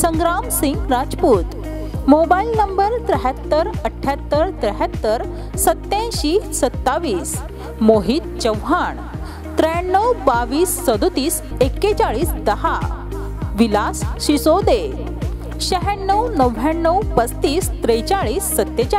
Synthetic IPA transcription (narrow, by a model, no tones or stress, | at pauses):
səŋɡɾamsiŋɡɾad͡zpuːt̪ | mobailnəmbəɾt̪ɾəɦjat̪ːəɾəʈʰːjat̪ːəɾt̪ɾəɦjat̪ːəɾ | sət̪ːẽɕiːsət̪ːaʋiːs | moɦiːt̪̚t͡ɕəwɦaɳ | t̪ɾəjnːəwbaʋiːsːəd̪ut̪iːs | ekːet͡ɕaɭiːsd̪əɦa | ʋilasɕisod̪e | ɕəɦɛnːəwnəʋaɳːəwpət͡st̪iːst̪ɾəjt͡ɕaɭiːsːət̪ːet͡ɕa